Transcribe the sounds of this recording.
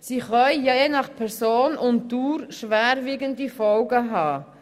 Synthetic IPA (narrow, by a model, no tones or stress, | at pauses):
siːχœʏjeːnɑχpʰɛɾsoːnʊntduːɾʃʋæːɾviːɡəndifɔlɡəɦɑː